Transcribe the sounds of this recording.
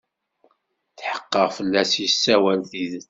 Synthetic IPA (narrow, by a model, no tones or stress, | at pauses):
θħə̥qːəʁfəlːæsjəsːæwælθið